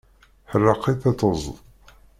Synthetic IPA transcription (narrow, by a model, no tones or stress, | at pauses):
ħərːɑqːiθæt͡sːəz̰ˤðˤ